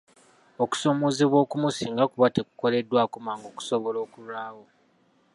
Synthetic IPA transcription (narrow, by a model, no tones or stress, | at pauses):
oku̥soːmoːziβwo̞ːkumusiːŋɡakuβate̞ku̥ko̞le̞dːwaːkumaːŋɡo̞ku̥soβo̞lo̞ːkuɾwaːwo̞